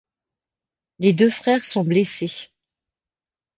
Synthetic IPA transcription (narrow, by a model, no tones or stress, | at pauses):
led̪øfχɛʁsɔ̃blese